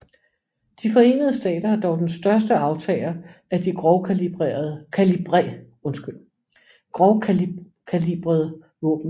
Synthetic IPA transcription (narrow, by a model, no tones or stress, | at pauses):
d̥ifɒ̽e̝̰ːnð̞̩ˠəsd̥ɛ̰ːd̥ɐɑd̥ɒʊd̥ensd̥ɶɐs̬d̥əɑ̈ʊt͡sʰɛ̰ːɪlɐæd̥iɡ̥ʁɒʊkʰælib̥ʁḛːɐðˠəkʰælib̥ʁɛ | ɔ̽nsɡ̥yl̰ | ɡ̥ʁɒʊ | kʰælib̥ʁɐðˠə | ʋɔ̰̽ːb̥n̩